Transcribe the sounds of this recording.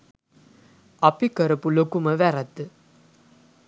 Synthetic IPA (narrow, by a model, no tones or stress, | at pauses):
ɐpikəɾɐpulokuməʋæɾɐt̪ːɨ